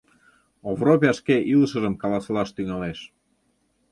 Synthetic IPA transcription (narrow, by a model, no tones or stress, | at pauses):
ovropʲɑʃkeʔiləʃə̆ʒəmkɑlɑslɑʃt̪yŋɑleʃ